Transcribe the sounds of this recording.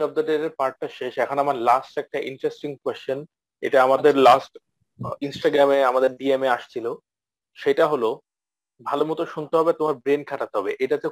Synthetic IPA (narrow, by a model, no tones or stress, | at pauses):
nɔb̚d̪eʈeɾeɾpaɾʈ̚ːaʃeʃɛkʰonamaɾlasʈɛk̚ʈaʔḭɳʈɾesʈiŋkwest͡ɕon | ḛʈaamad̪eɾlasʈ | insʈaɡɾameamad̪eɾɖiemeaʃt͡ɕʰilo | ʃejʈaɦolo | bʱalomut̪oʃunt̪eɦɔbet̪omaɾbɾenkʰaʈat̪eɦɔbeʔeʈat̪e